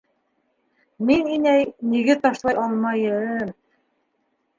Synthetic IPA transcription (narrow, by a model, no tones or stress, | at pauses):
mininæjniɡɘt̪ɑʃlˠɑjʔɑlˠmɑjɘm